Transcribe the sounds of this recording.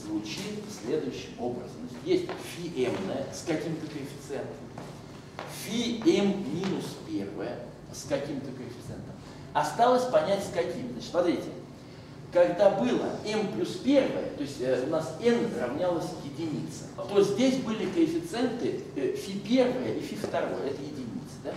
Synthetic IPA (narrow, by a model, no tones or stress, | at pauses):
zvʊt͡ɕit̪sʲlʲe̞d̪ʊjʉɕːɪmo̞bɾə̰zəmnat͡ɕɪt̪jʲesʲtʲfʲiʔɛmnəjəskɐkʲimt̪əkəɪfʲɪ̥t̪sɨɛnt̪əm | fʲiɛmːʲinʊspʲe̞rvəjə | skɐkʲimt̪əkəɪfʲɪ̥t̪sɨɛ̰nt̪əm | ɐst̪alˠəsʲpɐnʲætʲskɐkʲimzat͡ɕt̪smɐt̪ɾʲitʲɪ | kɐɡd̪abɨlˠə̰ɛmplʲuspʲe̞rvəjə̰t̪o̞ɪsʲtʲəʊnasɛnsrɐvnʲalˠəsʲjɪdʲɪnʲit̪sə̥t̪ozʲdʲesʲbɨlʲɪkəɪfʲɪt̪sɨɛnt̪ɨfʲipʲe̞rvəjəʔifʲift̪ɐɾo̞̰jəɛt̪əjɪdʲɪnʲit̪sə̥d̪a